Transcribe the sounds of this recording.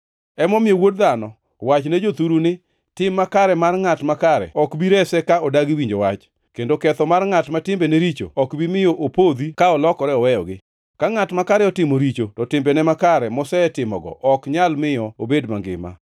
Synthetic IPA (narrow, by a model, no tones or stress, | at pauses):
ɛmɔmɪewod̚d̪anɔ | wat͡ʃnɛd͡ʒot̪uɾunɪ | tɪmːakaɾɛmarŋatmakaɾɛ̰ɔkbiɾɛsɛkaɔdaɡiwiɲd͡ʒowat͡ʃ | kendokɛt̪ɔmarŋatmatɪmbɛneɾit͡ʃo̰ɔkbimɪjoʔopod̪ikaɔlɔkɔɾɛɔwɛjɔ̰ɡɪ | kaŋatmakaɾɛɔtɪmoɾit͡ʃotɔtɪmbɛnɛmakaɾɛmɔsɛɛtɪmɔ̰ɡɔ̰ʔɔkɲalmɪjɔobedmaŋɡɪ̰ma̰